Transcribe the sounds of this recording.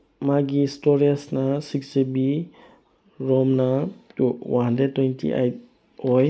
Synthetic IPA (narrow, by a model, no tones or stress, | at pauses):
maɡistɔɾiasnasiksebi | ɾɔmnatuwaɦandɾed̚tːwɔjntʰḭʔa̰jt̚ | ɔj